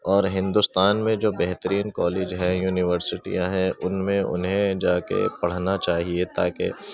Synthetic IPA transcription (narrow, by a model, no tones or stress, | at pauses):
ɔːɾɦɪ̃nd̪ʊst̪aːnmẽd͡ʒoːbɛɦt̪əɾiːnkɔːleːd͡ʒɦɛ̃juːnɪʋəɾsɪʈḭjãɦɛʔʊnmẽʊ̰nɦẽd͡ʒaːkḛpɐɽ̤nat͡ʃaːɦiet̪aːkḛ